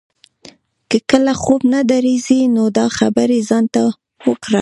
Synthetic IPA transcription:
kəkəlaxobnad̪aɾizinod̪ɑxabaɾezɑnt̪a | wəkɾa

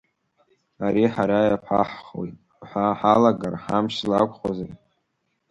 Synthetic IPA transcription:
aɾiħaɾajapʰa̰ħχwo̰jtʼ | ħʷaħalaɡarħamʃlakʷʰʼχazar

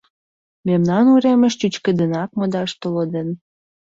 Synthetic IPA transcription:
memnɑnuɾeməʃt͡ɕut͡ɕkə̆d̪ə̆nɑk̚mod̪ɑʃt̪oləd̪ən

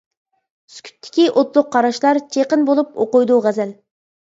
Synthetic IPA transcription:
sy̥kʲʰy̥t̪ʰːɪ̥kʲiʔot̪lˠʊqʰːɑɾɑʃlˠɑɾt͡ʃʰeqənbolˠupoqʊjd̪uʁæzɛl

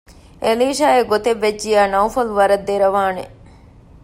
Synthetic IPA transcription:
ʔeliːʃaːeɡot̪eʋːed͡ʒd͡ʒijaːnɐwfɐluʋɐɾɐd̪ːeɾɐʋaːnḛ

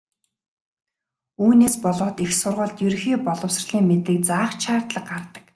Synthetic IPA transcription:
uːneːspɔɮɔːt̪ixsʊrʁə̆ɮt̪jɵɾ̆xiːpɔɮɞ̆wsrɮ̥iːŋmet̪eːk̚t͡saːχt͡ɕʰaːrt̪ɮə̆qɢart̪ə̥̆k

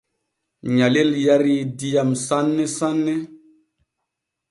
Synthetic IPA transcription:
ɲaleljaɾidijamsanːɛsanːe

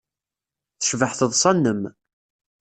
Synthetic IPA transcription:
θəʃvəħθəðˤsˤɑnːəm

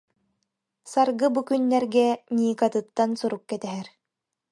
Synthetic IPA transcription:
saɾɡɯbukynːɛɾɡɛnʲiːkat̪ɯt̪ːansuɾukːɛt̪ɛɦɛɾ

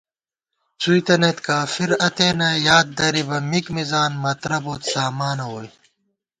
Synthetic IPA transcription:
t͡sʰujt̪ɐnet̪kaːfiɾɐt̪eːnɐjaːd̪̚d̪ɐɾibɐmikmizaːnmɐt̪ɾɐboːt̪saːmaːnoːj

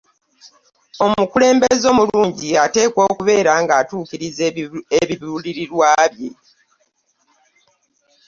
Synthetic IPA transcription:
o̞mukule̞ːmbezo̞muluːɲɟiate̞ːkwo̞ːkuβe̞ːɾaŋɡaːtuːkiɾizeβiβiuliɾiɾwaːβje̞

